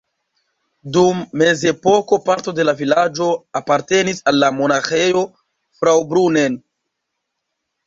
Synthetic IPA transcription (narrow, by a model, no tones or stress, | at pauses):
dumːe̞ze̞po̞ko̞paɾto̞de̞lavilad͡ʒo̞apaɾte̞nisalːamo̞naxe̞jo̞ | fɾawbɾune̞n